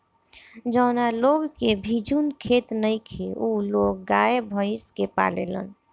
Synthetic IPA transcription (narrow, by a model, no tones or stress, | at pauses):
d͡ʒəʊnaloɡkebʱid͡ʒunkʰet̪nəjkʰeuloɡ̚ːaebʱəiskepa̰lḛlə̰n